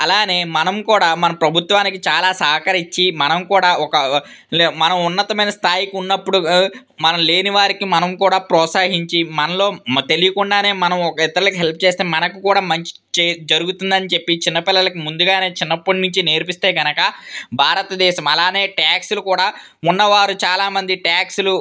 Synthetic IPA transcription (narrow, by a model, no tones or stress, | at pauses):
ɐlaːne̞ːmɐnɐmkuːɽaːmɐnɐmpɾɐbʱut̪ʋaːnikit͡ʃaːlaːsɐɦɐkɐɾit͡ʃːimɐnɐmkuːɽaːɔkɐ | mɐnɐmunːɐt̪ɐmɐjnɐst̪ʰaːjikiunːɐpːuɽu | mɐnɐmle̞ːniʋaːɾikimɐnɐmkuːɽaːpɾɔːsaːɦiɲt͡ʃimɐnɐlo̞ːt̪e̞lijɐkuɳɖaːne̞ːmɐnɐmɔkɐit̪ːɐɾulɐkiɦelpʰɐ̥t͡ʃe̞ːst̪eːmɐnɐkukuːɽaːmɐɲt͡ʃi̥t͡ʃed͡ʒɐɾuɡut̪und̪ɐnit͡ʃe̞pːit͡ʃinːɐpɪlːɐlɐkimund̪uɡaːne̞ːt͡ʃinːɐpːunuɲt͡ʃine̞ːɾpist̪e̞ːɡɐnɐkɐbʱaːɾɐt̪ɐd̪ɛːʃɐmɐlaːne̞ːʈaːksulukuːɽaː | unːɐʋaːɾut͡ʃaːlaːmɐnd̪iʈaːksulu